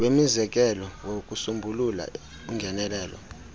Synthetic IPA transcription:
wemizɛk̬ʼɛlɔwok̬ʼusumbʱulula̰ | uŋʱɛnɛlɛːlɔ̰

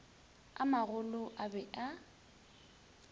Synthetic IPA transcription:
a̰maɣʊlʊʔabɛʔa

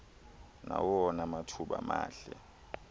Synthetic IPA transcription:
nawɔnamatʰuɓa̰maːɬɛ

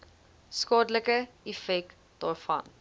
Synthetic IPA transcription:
skɑːdələkə | ifɛk̚ | d̥ɑːrfɐ̰n

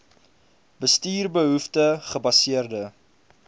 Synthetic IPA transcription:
bəstiːrbəɦuftəχəbɐsiərdə

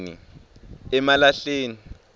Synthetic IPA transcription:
nḭ | ɛmalaɬeːni

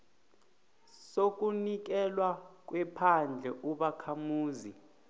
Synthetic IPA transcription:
sok̬ʼunik̬ɛlwak̬ʼwɛpʰand͡ɮʱɛʔuɓakʰamuːzi

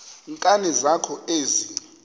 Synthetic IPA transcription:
ŋkʼanɛzakʰɔeːzi

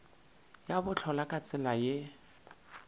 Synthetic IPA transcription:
jabʊt͡ɬʰɔlakʼat͡sʼɪlaje

